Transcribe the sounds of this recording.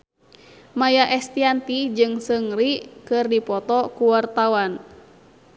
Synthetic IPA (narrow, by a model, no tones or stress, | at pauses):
majaʔɛst̪iant̪id͡ʒɨŋsəŋɾikɨrdipɔt̪ɔkuwart̪awan